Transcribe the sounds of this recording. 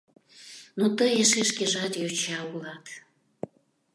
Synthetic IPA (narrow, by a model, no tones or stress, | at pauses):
not̪əjeʃeʃkeʒɑt̪jot͡ɕɑulɑt̪